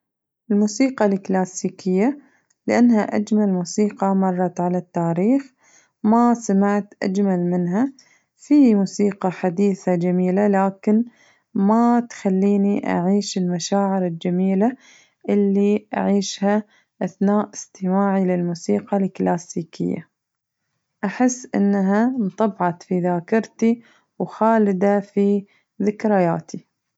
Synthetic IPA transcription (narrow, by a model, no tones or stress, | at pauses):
ʔɪlmuːsiːqɑlɪklaːsiːkʰɪjːa | lɪʔanːhaʔa̰d͡ʒmalmuːsiːqɑmɑrˤːɑt̪ʕalat̪ːaːɾiːx | masamaʕt̪ʔa̰d͡ʒmalmɪnɦa | fimuːsiːqɑħad̪iːθad͡ʒamiːlalaːkɪn | mat̪xalːiːniʔa̰ʕiːʃɪlmaʃaːʕɪɾɪld͡ʒamiːla | ʔɪlːiʔa̰ʕiːʃha | ʔaθnaːʔɪst̪ɪmaːʕilɪlmuːsiːqalklaːsiːkʰɪ̰jːa̰ | ʔaħɪsːʔɪ̰nːɦamt̪ˤɑbʕɑt̪fiðaːkɪɾt̪i | wxaːlɪd̪afi | ðɪkɾɪja̰ːt̪i